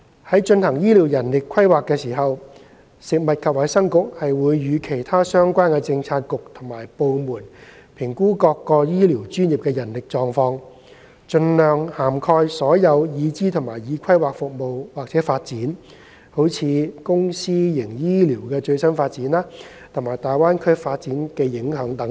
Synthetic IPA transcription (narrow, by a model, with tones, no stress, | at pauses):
hɐ˨˥jt͡ʃɵ˧nhɐ˨˩ŋjiː˥li˨˩wjɐ˨˩nlɪ˨kʰɐ˥jwaː˨kːɛː˧siː˨˩ɦɐ˨w | sɪ˨k̚mɐ˨t̚kʰɐ˨p̚wɐ˨˥jsɐ˥ŋkʊ˨k̚hɐ˨jwuː˨˧jːyː˨˧kʰe˨˩jt̪ʰaː˥sœː˥ŋkʷaː˥nkɛː˧t͡sɪ˧ŋt͡sʰaː˧t̚kʊ˨k̚t̪ʰʊ˨˩ŋmaː˨˩jpo˨˧wmuː˨˩n | pʰɪ˨˩ŋkuː˥kɔː˧kːɔː˧jiː˥liː˨˩wt͡ʃyː˥njiː˨p̚kɛː˧jɐ˨˩nlɪ˨k̚t͡sɔː˨ŋfɔː˧ŋ | t͡ʃɵ˧nlœː˨ŋhaː˨˩mkʰɔː˧jsɔː˨˥jɐ˨˧wjiː˨˧t͡siː˥t̪ʰʊ˨˩ŋmaː˨˩jjiː˨˥kʰɐ˥jwaː˨k̚fʊ˨k̚mo˨wwaː˨k̚t͡sɛː˨˥faː˧t̚t͡siː˨˥n | ho˨˥wt͡sʰiː˨˧kʊ˥ŋsiː˥jɪ˨˩ŋjiː˥liː˨˩wkɛː˧t͡ʃɵ˧ɥsɐ˥nfaː˧t̚t͡siː˨˥nlaː˥ | t̪ʰʊ˨˩ŋmaː˨˩jt̪aː˨jwaː˥nkʰɵ˥faː˧t̚t͡siː˨˥nkɛː˧jɪ˨˥ŋɦœː˨˥ŋt̪ɐ˨˥ŋ